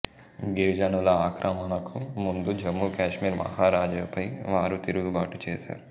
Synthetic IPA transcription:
ɡeːd͡ʒɐnulɐaːkɾʔɐmɐnɐkumund̪ud͡ʒɐmːukaːʃmiːɾmɐ̰ɦaːɾaːd͡ʒɐpʰɐjʋaːɾut̪iɾuɡubaːʈut͡ʃɛːsa̰ːɾ

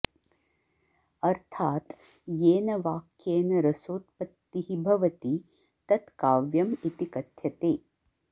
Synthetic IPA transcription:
ɐɾt̪ʰaːt̪ | jeːnɐʋaːkjeːnɐɾɐsoːt̪̚pɐt̪ːiɦibʱɐʋɐt̪i | t̪ɐt̪kaːʋjɐmit̪ikɐt̪jɐt̪eː

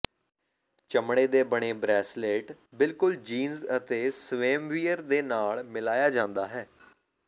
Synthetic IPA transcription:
t͡ʃəmɽeːd̪eːbəɽ̃eːbɾɛːsleːʈ | bɪlkʊld͡ʒiːnzət̪eːsʋeːmʋiːəɾd̪eːnaːlmɪlaːjaːd͡ʒãːnd̪aːɦɛː

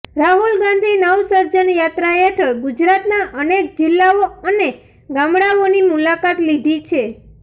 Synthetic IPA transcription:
ɾaɦulɡãnd̪ʱinəwsəɾd͡ʒənjat̪ɾaeʈʰəɭɡud͡ʒɾat̪naʔənek̚d͡ʒɪlːaoəne | ɡamɽaonimulakat̪lid̪ʱit͡ʃʰe

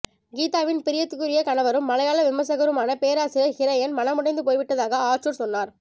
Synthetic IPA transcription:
ɡiːt̪aːʋɪnpɪɾɪjɐt̪ːɯkɯɾɪjɐkɐɳɐʋɐɾɯmːɐlɐjaːlɐʋɪmɐs̬ɐɣɐɾɯmaːnɐpeːɾaːsɪɾɐhɪɾɐjɐnmɐnɐmʊɽɐɪnd̪ɯpoːjʋɪʈːɐðaːɣɐaːɾt͡ʃuɾsɔnːaːɾ

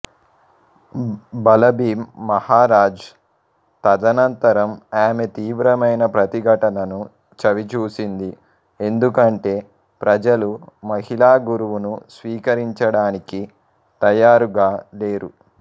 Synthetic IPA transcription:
bɐlɐbiːmːɐhaːɾaːd͡ʒ | t̪ɐd̪ɐnɐnt̪ɐɾɐmaːmet̪iːʋɾɐmɐjnɐpɾɐt̪iɡʱɐʈɐnɐnu | t͡ʃɐʋit͡ʃuːsind̪i | e̞nd̪ukɐɳʈe̞ː | pɾɐd͡ʒɐlumɐhilaːɡuɾuʋunusʋiːkɐɾiɲt͡ʃɐɽaːniki | t̪ɐjaːɾuɡaːle̞ːɾu

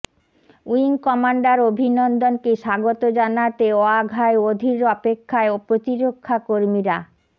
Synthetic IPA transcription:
uiŋkɔmaɳɖaɾobʱinɔnd̪onkeʃaɡot̪od͡ʑanat̪eɔaɡʱaeod̪ʱiɾɔpekʰːaeopɾot̪iɾokʰːakoɾmiɾa

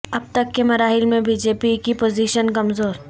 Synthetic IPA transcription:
ɐb̚t̪ɐkːemɐɾaːɦɪlmẽbiːd͡ʒeːpikipoːziːʃənkɐmzoːɾ

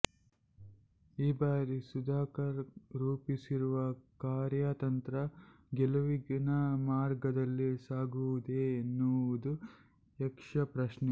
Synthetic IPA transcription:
iːbaːɾisud̪aːkɐɾɾuːpisiɾuʋɐkaːɾjat̪ɐnt̪ɾɐ | ɡɛluʋiɡinɐmaːɾɡɐd̪ɐlːisaːɡuʋud̪eːnːuʋud̪u | ɛkʂɐpɾɐʃnɛ

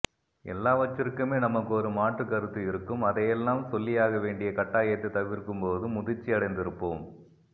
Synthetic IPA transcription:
ɛ̰lːaːʋɐt͡ʃːɪɾɯkːɯmeːnɐmɐkːɯɔɾɯmaːʈrɯkːɐɾɯt̪ːɯɪɾɯkːɯmɐðɐjɛlːaːmsɔlːɪjaːɣɐʋeːɳɖɪjɐkɐʈːaːjɐt̪ːɯt̪ɐʋɪɾkɯmpoːðɯmʊðɪt͡ʃːɪɐɽɐɪnd̪ɪɾɯpːoːm

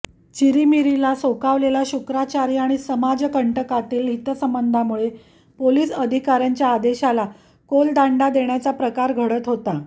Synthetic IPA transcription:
t͡ɕiɾimiɾilasokaʋlelaɕukɾat͡ɕaɾiːaɽ̃isəmad͡zkəɳʈəkat̪iːlɦit̪əsəmbənd̪ʱamuɭe | poliːsəd̪ʱikaɾjaɲt͡ɕjaːd̪eɕala | kold̪aɳɖad̪eɳjat͡sapɾəkaɾɡʱəɽət̪ɦot̪a

